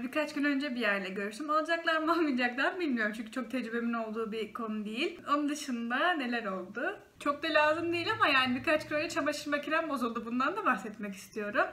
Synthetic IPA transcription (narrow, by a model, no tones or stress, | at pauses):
bikʰat͡ʃɡynø̞nd͡ʒɛbijæɾlʲɛɟøɾyɾsymalˠad͡ʒaklˠaɾmalˠmid͡ʒaklˠaɾbilʲmijoɾumt͡ʃʰynɲʲcʰyt͡ʃo̞k̚t̪ʰɛd͡ʒɾybe̞mino̞lˠd̪uːbikʰo̞nud̪ejilʲonund̪ɯʃɯnd̪ane̞lʲæɾo̞lˠd̪ʊ | t͡ʃʰo̞k̚d̪alʲaːzɯmd̪ijilʲamajaːnibiɾkat͡ʃɡynønlɛt͡ʃʰabaʃɯɾmacʰiɾanbo̞zulˠd̪ubund̪and̪abaxsɛt̪mɛci̥st̪ʰijo̞ɾum